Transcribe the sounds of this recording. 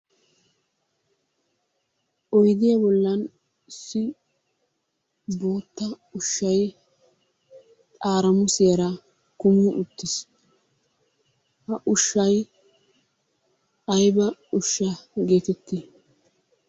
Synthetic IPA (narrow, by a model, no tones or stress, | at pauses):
ʔɔjd̪ɪjɐbɔlːɐn | ɪsːɪ | boːt̪ːɐ | ʊʃːɐj | t̪ʼaːɾɐmʊsɪɐɾɐ | kʊmɪʔʊt̪ːɪs | hɐʔʊʃːɐj | ʔɐjbɐʊʃːɐɡe̞ːt̪ɛt̪ːɪ